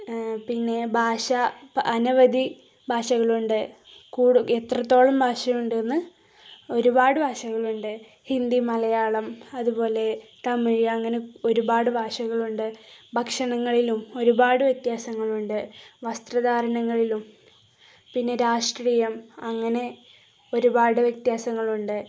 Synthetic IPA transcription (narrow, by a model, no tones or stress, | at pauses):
pinːe̞bʱaːʂɐɐnuʋɐd̪ʱi | bʱaːʂɐɣɐɭuɳɖɨ | kuːɽuet̪rɐt̪ːo̞ːɭɐmbʱaːʂɐjuɳɖenːɨ | o̞ɾubaːɽɨbʱaːʂɐɣɐɭuɳɖɨ | hind̪imɐlɐjaːɭɐmɐðubo̞ːle̞t̪ɐmiɻɐŋːɐneo̞ɾubaːɽɨbʱaːʂɐɣɐɭuɳɖɨbʱɐkʂɐɳɐŋːɐɭilumo̞ɾubaːɽɨʋjɐk̚t̪jaːsɐŋːɐɭuɳɖɨʋɐst̪rɐd̪aːɾɐnɐŋːɐɭilum | pinːe̞ɾaːʂʈriːjɐmɐŋːɐne̞ | o̞ɾubaːɽɨʋjɐk̚t̪jaːsɐŋːɐɭuɳɖɨ